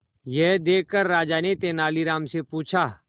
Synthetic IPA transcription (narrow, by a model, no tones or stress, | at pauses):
jɛɦd̪eːkːəɾːaːd͡ʒaːnet̪eːnaːliɾaːmsepuːt͡ʃʰaː